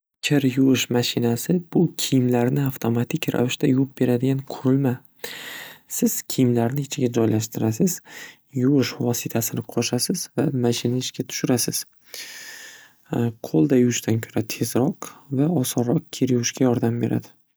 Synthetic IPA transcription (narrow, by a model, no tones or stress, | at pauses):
kʲʰɪɾjʊwɪʃmaʃɪnasɪbʊkʲʰɪjɪmlaɾnɪaft̪ʰomat̪ʰɪkʲɾa̰vɪʃt̪ajʊp̚be̞ɾad̪ɪɡʲanqʰʊɾɪlma | sɪz̥kʲʰijɪmlaɾnɪɪt͡ʃʰɪɡʲad͡ʒɒjlaʃt̪ɪɾasɪz̥ | jʊwɪʃvɒsɪt̪ʰasɪnɪqʰoʃasɪzvamaʃɪnaɪʃkʲʰat̪ʰʊ̥ʃʊɾasɪz̥ | qʰolˠd̪ajʊwɪʃt̪ʰankʲʰo̥ɾat̪ʰe̞zɾɒqvaɒsɒɾːɒq̚kʲʰeɾjʊwɪʃkʲajɒɾd̪ambe̞ɾʔa̰d̪ɪ